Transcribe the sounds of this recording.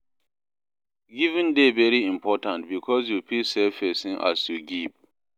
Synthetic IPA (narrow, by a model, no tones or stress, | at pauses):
ɡivĩndevɛɹiĩmpʰɔtãntbikʰɔsjupʰesɛfɛsĩŋʔa̰sjuɡiv